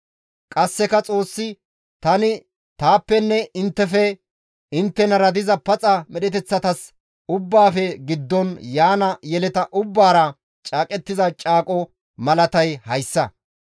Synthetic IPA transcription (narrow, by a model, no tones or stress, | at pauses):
kʼɐsːɛkɐt͡sʼo̞ːsːɪ | t̪ɐnɪ | t̪aːpːɛnːɛɪnt̪ːɛfɛ | ɪnt̪ːɛnɐɾɐd̪ɪzɐpɐt͡sʼɐmɛɗɛt̪ɛt͡sːɐt̪ɐs | ʊbːaːfɛɡɪd̪ːɔnjaːnɐjɛlɛt̪ɐʔʊbːaːɾɐ | t͡ʃʼaːkʼɛt̪ːɪzɐt͡ʃʼaːkʼɔ | mɐlɐt̪ɐjhɐjsːɐ